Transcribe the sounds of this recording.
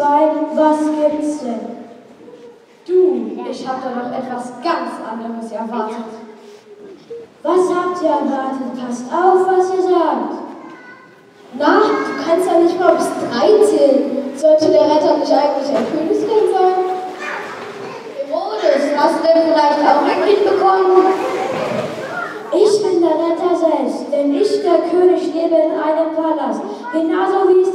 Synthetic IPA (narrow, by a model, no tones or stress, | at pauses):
v̥aɪnvasv̥ɛnsd̥ɛn | d̥uːʔɪçhaːbədaːnɔχʔɛtv̥asɡ̥ant͡sʔa̰ndəʁəsɛɐvaɐtʰət | v̥ashaːbtʔiːɐɛɐvaɐtʰət̚pʰastaʊfv̥asiːɐzaːkt | naχd̥uːkʰanstjanɪçtmaɐʊmsd̥ʁaɪt͡seːnnz̥ɔt͡sudeːɐʁɛtɐnɪçʔaɪɡŋ̩tlɪçɛɐfyːlnskɛnvɔln | odəshasudenfɪlaɪçtʔaʊxmɪɪnb̥əkʰɔmən | ʔɪçb̥ɪndeːɐʁɛtɐzɛlpstd̥ɛnɪçd̥eːɐkʰøːnɪçʃleːbəɪnʔaɪnənpʰaːlast | ɡ̥ənaʊzoviːɪ̥